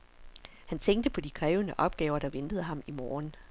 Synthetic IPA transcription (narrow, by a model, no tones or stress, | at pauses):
hænt͡sʰeŋ̰ɡ̚d̥əpʰɒ̽d̥ikʰʁɛːʊənəʔɒ̽b̥̚ɡ̥ɛːʊɐɾ̥ɑ̈ʋend̥əð̞̩ˠəɦɑ̈mimɒːn